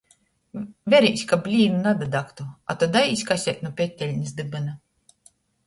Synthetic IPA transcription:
vʲɛɾʲisʲkabʲlʲiːnunad̪ad̪akt̪ua̰t̪ɔd̪ajisʲkasʲɛt̪̚ʲnupʲɛt̪ʲːɛlʲnʲis̬d̪ɨbɨna

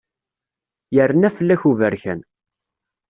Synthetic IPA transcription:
jərːənæfəlːæçuvəɾçæ̰n

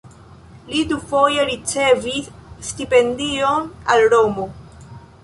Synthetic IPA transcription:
lidufo̞jeɾit͡se̞visːtipe̞ndionalɾomo

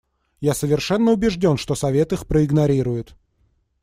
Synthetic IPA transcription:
jasəvʲɪrʂɛnːəʊbʲɪʐdʲo̞nʂt̪osɐvʲet̪ɨxpɾəɪɡnɐɾʲiɾʊjʊt̪

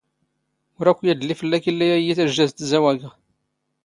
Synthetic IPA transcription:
ʊɾækʷːjæd̪əlːifəlːækilːæjæjiθæʒːæzt̪zæwæɡ

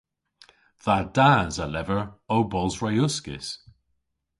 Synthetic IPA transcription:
ðadazəlɛvəɹowbɔlˠzɹajʊskɪ̰s

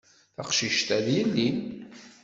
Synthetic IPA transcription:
θɑqʃiʃt̪æðjəlːin

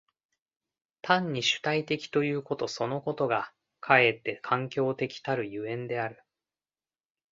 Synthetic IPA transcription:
t̪ʰãɲ̟ːiɕɨ̥t̪ait̪e̞kʲi̥t̪o̞jɯ̟ːko̞t̪o̞so̞no̞ko̞t̪o̞ɡa | kʰae̞t̪ːe̞kʰãŋkʲo̞ːt̪e̞kʲi̥t̪aɾɯ̟jɯ̟ẽ̞nd̪e̞aɾɯ̟

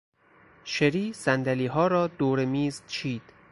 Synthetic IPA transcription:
ʃeɾiːsænd̪æliːɦɒːɾɒːd̪oːɾemiːzt͡ʃʰiːd̪̥

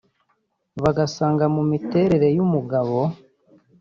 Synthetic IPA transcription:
βaɡasaːŋɡamumite̞ːɾe̞ɾe̞jumuɡaβo̞

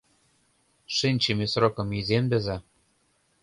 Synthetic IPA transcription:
ʃɘnʲt͡ɕĕmesrokɤ̆mizembɘ̆zæ

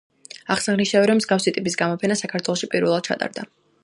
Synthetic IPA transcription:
aχsaʁniʃavɛɾɔmzɡafsit̪ʼipʼis̬ɡamɔpʰɛnasakʰaɾt̪ʰwɛlˠɔʃipʼiɾvɛlˠad̪̥̚t͡ʃʰa̰t̪ʼa̰ɾd̪a

